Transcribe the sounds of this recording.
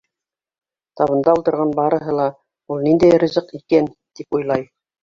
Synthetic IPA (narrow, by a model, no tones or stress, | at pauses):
t̪ɑβɤ̆nd̪ɑult̪ɤ̆ɾʁɑnbɑɾɤ̆ɦɤlˠɑ | ulˠnind̪æjɾɘ̆zɤqikæn | t̪ipujlˠɑj